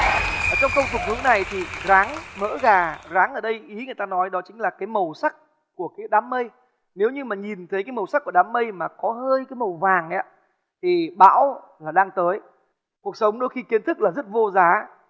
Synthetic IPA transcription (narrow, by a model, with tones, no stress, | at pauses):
ʔəː˧˩t͡ɕɔ˧wŋ͡mxə˧wŋ͡mkʊ˨˩k͡p̚vɨ˨˦əŋna˨˩jt̪ʰi˨˩ɣaː˨˦ŋmə̰ː˧˥ɣaː˨˩zaː˨˦ŋʔəː˧˩ɗə˧jʔi˨˦ŋɨ˨˩əjt̪aː˧nɔ˨˦jɗɔ˨˦t͡ɕï˨˦ŋ̟laː˨˩kaː˨˦jmə˨˩wsa˦˥k̚ | ku˧˩əkaː˨˦jɗaː˨˦mːə˧j | ne˨˦wɲɨ˧maː˨˩ɲi˨˩nt̪ʰə˨˦jkaː˨˦jmə˨˩wsa˦˥k̚ːu˧˩˨ɗaː˨˦mːə˧jmaː˨˩kɔ˨˦həː˧jkaː˨˦jmə˨˩wvaː˨˩ŋʔa̰ː˨˦ | t̪ʰi˨˩ɓa̰ː˧˥w | laː˨˩ɗaː˧ŋt̪əː˨˦j | ku˨˩ək̚sə˨˦wŋ͡mɗo˧jxi˧ki˨˦ənt̪ʰɨ˦˥k̚laː˨˩zə˦˥t̚vo˧zaː˨˦